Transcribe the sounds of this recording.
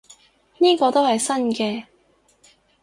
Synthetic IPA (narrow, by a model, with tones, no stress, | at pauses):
niː˥kɔː˧t̪o˥whɐ˨jsɐ˥nkɛː˧